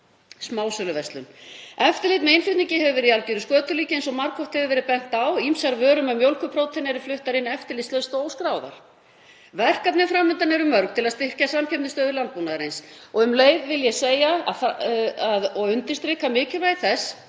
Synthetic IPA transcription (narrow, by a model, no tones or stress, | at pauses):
smaːwsœlʏvɛst̪lʏmɛft̪ɪlɪːt̪mɛɪnfʏt̪niɲcɪhɛvʏvɛɾɪialciɾʏskœːt̪ʏliːcɪejnsɔmaɾkʰɔht̪hɛvʏvɛːɾɪðpɛn̥t̪awimsaɾvœːɾʏmɛmjowlkʏpʰɾoːwt̪ʰɛnɛɾɪflʏht̪aɾɪnːɛft̪ɪlɪsœðst̪oːwskɾaːwða̰ɾ̥ | vɛr̥kap̪nɪfɾamːʏnt̪anɛɾʏmːœɾkt̪ʰɪlaðst̪ɪr̥casamcʰɛmt̪ɪst̪œːðɪlant̪̚puːnaðaɾejnsɔɣʏmleːjðvɪljɛseːjaa̰faðɔɣʏnt̪ɪst̪ɾekamɪːcʏlvaːjθɛs